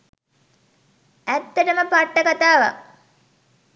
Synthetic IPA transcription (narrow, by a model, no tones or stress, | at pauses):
æt̪ːəʈəməpaʈːəkat̪aːʋa̰